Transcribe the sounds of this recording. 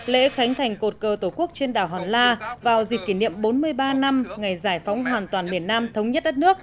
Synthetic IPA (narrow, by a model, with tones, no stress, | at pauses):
lḛ˧˥xa˨˦jŋ̟t̪ʰa˨˩jŋ̟ko˨˩t̚kəː˨˩t̪o˧˩ku˦˥ək̚t͡ɕe˧nɗaː˨˩wɦɔ˨˩nlaː˧vaː˨˩wzi̟˨˩kːi˧˩nḭ˧˨əmɓo˨˦nmɨ˧əjɓaː˧na˧mŋa˨˩jzaː˧˩jfa˨˦wŋ͡mɦwaː˨˩nt̪waː˨˩nmi˧˩ənːaː˧mt̪ʰə˨˦wŋ͡mɲə˦˥t̚ɗə˦˥t̚nɨ˦˥ək̚